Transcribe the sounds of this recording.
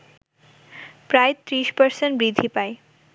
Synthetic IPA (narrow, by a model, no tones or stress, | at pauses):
pɾaet̪ɾiʃpəɾsenʈbɾid̪ʱipae